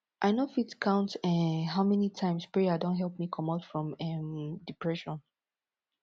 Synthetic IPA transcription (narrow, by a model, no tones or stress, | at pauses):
ʔaɪnofitkʰãʊ̃ntɛɦaʊmɛnitʰãɪ̃mspɹɛjadõntɦɛlˠp̚mikʰɔ̃maʊtfɹɔ̃mɛmdipʰɹɛʃɔ̃n